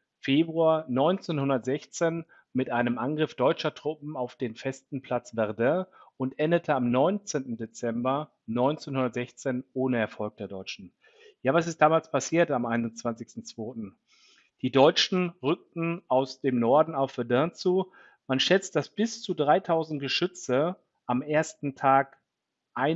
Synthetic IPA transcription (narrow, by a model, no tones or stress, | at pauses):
feːbʁuaːnɔʏnt͡seːnhʊndɐtz̥ɛçt͡seːn | mɪtʔaɪnəmʔanɡʁɪfd̥ɔʏt͡ʃɐtʁ̥ʊp̚m̩aʊfd̥eːnfɛstn̩pʰl̥at͡sv̥ɛʁdɛ̃ʊntʔɛndətʰəamnɔʏnt͡seːntn̩det͡sɛmbɐ | nɔʏnt͡seːnhʊndɐtz̥ɛçt͡seːnʔoːnəɛɐfɔlk̚d̥eːɐdɔʏt͡ʃn̩ | jaːvas̬ɪst̚d̥aːmaːlspʰasiːɐtamaɪnʊnt͡sv̥ant͡sɪçstn̩t͡sv̥oːtn̩ | d̥iːdɔʏt͡ʃn̩ʁʏk̚tn̩ʔaʊsd̥eːmnɔɐdn̩aʊfv̥ɛɐdɛ̃ɐt͡suː | manʃɛt͡st̚d̥asb̥ɪst͡sudʁaɪtʰaʊzn̩t̚ɡ̥əʃʏt͡sə | ʔamʔeːɐstn̩tʰaːk | ʔaɪ